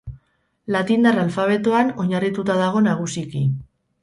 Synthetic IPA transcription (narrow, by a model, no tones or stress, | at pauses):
lat̪ind̪aɾalfaβ̞e̞t̪oano̞ɲarit̪ut̪aðaɣ̞o̞naɣ̞usiki